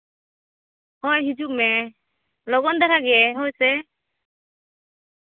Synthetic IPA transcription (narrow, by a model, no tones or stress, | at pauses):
hɔjɦid͡ʒuk̚mɛ | lɔɡɔnd̪aɾaɡɛɦojsɛ